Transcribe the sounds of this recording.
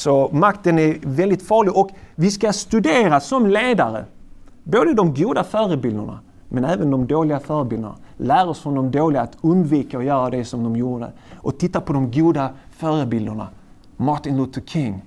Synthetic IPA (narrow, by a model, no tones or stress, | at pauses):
sɔmakt̪ənæɾvɛld̪ɪt̪fɑːɭɪɡɔkvɪskast̪ɵd̪eːɾasɔmleːd̪aɾə̰ | boːd̪əd̪ɔmɡuːd̪afœːɾəbɪld̪əɳa̰ | mɛnæːvənd̪ɔmd̪oːlɪɡafœːɾəbɪld̪ə̰ɳa̰læːɾɔsfɾɔnd̪ɔmd̪oːlɪɡaːt̪ɵnd̪viːkaɔjœːɾad̪ɛsɔmd̪ɔmjuːɖə̰ | ʔɔt̪ʰɪt̪ːapʰɔd̪ɔmɡuːd̪afœːɾəbɪld̪əɳa̰ | maɾt̪ɪnlut̪ʰəkʰɪŋː